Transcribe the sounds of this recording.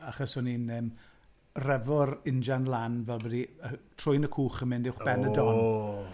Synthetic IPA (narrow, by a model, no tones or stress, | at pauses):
aχɔsɔninəːm | rɛvɔrɪnd͡ʒanlˠanvɛlˠbədiətʰrʊjnəkʰuːχəmɪndɪwχb̥ɛnədɔn